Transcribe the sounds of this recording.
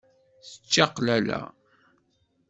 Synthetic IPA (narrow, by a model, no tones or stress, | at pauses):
θə̥t͡ʃːɑqlælæ̰